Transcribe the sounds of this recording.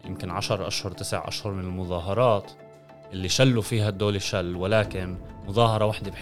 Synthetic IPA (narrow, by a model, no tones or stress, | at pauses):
jɪ̰mkɪnʕaʃɑɾˤʔa̰ʃhʊɾˤt̪ɪsɪ̰ʕʔa̰ʃhʊɾˤmɪnɪlmʊðˤɑːɦɑɾˤɑːt̪ | ʔɪlːiʃalːufiːɦad̪ːoːliʃalːwɪlaːkɪnmʊðˤɑːhɑɾˤɑwaħd̪eb